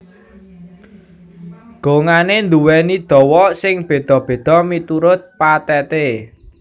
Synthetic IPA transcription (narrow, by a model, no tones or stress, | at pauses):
ɡ̥oŋanend̪uwɛnid̪̥ɔ̤wɔsɪŋb̥e̤d̪̥ɔ̤b̥e̤d̪̥ɔ̤mit̪uɾʊt̪̚pat̪ɛt̪e